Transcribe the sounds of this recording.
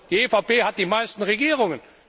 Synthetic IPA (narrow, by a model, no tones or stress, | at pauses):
d̥iːefaʊpeːɦat̚d̥iːmaɪstn̩ʁeɡiːʁ̞ʊŋən